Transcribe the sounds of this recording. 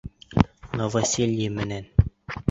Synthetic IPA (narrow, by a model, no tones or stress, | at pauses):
novasʲilʲimɘ̆næn